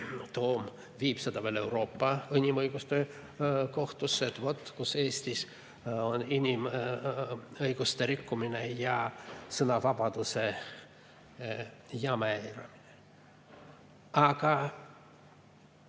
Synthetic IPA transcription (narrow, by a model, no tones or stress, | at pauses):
t̪o̞ːm | viːpsed̪ɑvelewɾo̞ːpːɑinʲimɤjɡ̥ust̪e̞ | ko̞ht̪usːet̪vo̞t̪ːˑkuseːsʲt̪is | oninʲim | ɤjɡ̥ust̪e̞ɾikːumine̞jɑsɤnɑvɑbɑd̪̥use | jɑmæɾɑ̰mine | ɑɡ̥ɑ